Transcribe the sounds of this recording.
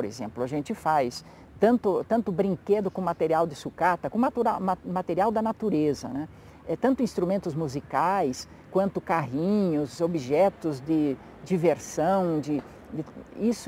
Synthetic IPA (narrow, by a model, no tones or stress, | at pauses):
pɾḛzẽmplʊɐʒẽnt͡ʃ̪ɪfajs | t̪ɐ̃nt̪ʊt̪ɐ̃nt̪ʊbɾĩŋked̪ʊkõmat̪eɾiawd̪ɪsukat̪ɐkõmat̪uɾaamat̪eɾiawd̪ɐnat̪uɾezɐnɛ | ɛt̪ɐ̃nt̪ʊĩst̪ɾumẽnt̪ʊzmuzikajs | kwɐ̃nt̪ʊkaɦĩɲʊzobiʒɛt̪ʊzd͡ʒɪ | d͡ʒiveɾsɐ̃w̃d͡ʒɪ | d̪ɪisʊ